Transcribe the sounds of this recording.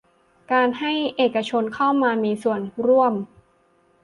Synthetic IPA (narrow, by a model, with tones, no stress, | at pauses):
kaː˧nha˥˩jʔeː˨˩ka˧t͡ɕʰo˧nkʰa˥˩wmaː˧miː˧su˨˩ənɾu˥˩əm